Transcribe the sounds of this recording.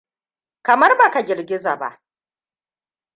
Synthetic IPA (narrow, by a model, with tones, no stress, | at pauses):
kɐ˨mɐ˦rba˨ka˨ɡʲɪ˨rɡʲɪ˦za˨ba̰˦ʔ